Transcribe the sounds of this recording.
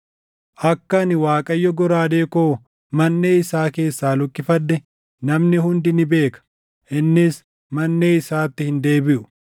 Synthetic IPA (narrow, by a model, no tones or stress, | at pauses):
ʔɐkːɐnɪwaːkʼɐjːɔɡɔɾaːd̪e̞ːkoː | mɐnːe̞ːɪsaːke̞ːsːaːlʊkːɪfɐd̪ːɛ | nɐmnɪhʊnd̪ɪnɪbe̞ːkɐ̥ | ʔɪnːɪs | mɐnːe̞ːɪsaːt̪ːɪhɪnd̪e̞ːbɪʔʊ